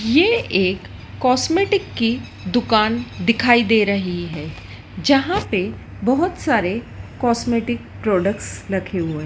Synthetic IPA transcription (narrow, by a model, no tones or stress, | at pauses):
jeeːkː | ɔːsmeːʈɪkːi | d̪ʊkaːnd̪ɪkʰaːid̪eːɾɐɦiɦɛː | d͡ʒɐɦãpe | bɐɦʊt̪saːɾe | kɔːsmeːʈɪkpɾɔːɖəkʈsɾɐkʰeɦuẽ